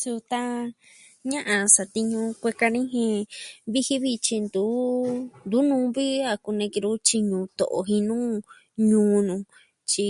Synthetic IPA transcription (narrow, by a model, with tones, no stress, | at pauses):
su˧t̪a˦ | ɲã˦ʔã˧sa˨˧t̪i˧ɲũ˧kʷe˧ka˧nĩ˦ɦẽ˧βi˦hi˦βi˧t͡ʃi˧nd̪u˨˦nd̪u˨˦nũː˧˦βi˦a˧ku˧nẽ˧ki˧ɾu˦t͡ʃi˧ɲũ˧t̪o̰˨ʔo̰˧˨ɦĩ˧nũː˦ | ɲũː˧˦nũ˧ | t͡ʃi˧